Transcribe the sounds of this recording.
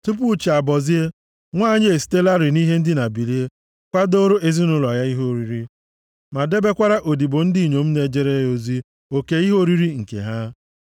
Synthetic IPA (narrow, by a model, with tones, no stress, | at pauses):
tʊ˦p̬ʊ˦t͡ʃi˨a˨bɔ˨zi˦e˦ | ŋʷaː˦˨ɲe˦e˨s̬i̥˨te˦la˦ɾɪ˨ni˦ɦe˦n̩˦dɪ˦na˨bi˨li˦e˦ | kʷa˦do˦ɾo˦ʔe˦zi˦nʊ˦lɔ˨ja˦i˦ɦo˦˨ɾi˨ɾi˦ | ma˨de˦be˦kʷa˦ɾa˦ʔo˨di˨bo˨n̩˦di˦˨ɲo˨m̩˦ne˨d͡ʒe˦ɾe˦jo˨zi˦ | o˨ke˦i˦ɦo˦ɾi˦ɾi˦ŋ̩˨kḛ˨ɦa˦